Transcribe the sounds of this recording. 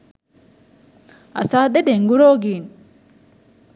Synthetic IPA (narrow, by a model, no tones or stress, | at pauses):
ɐ̰saːd̪eɖeŋɡuɾoːɡiːn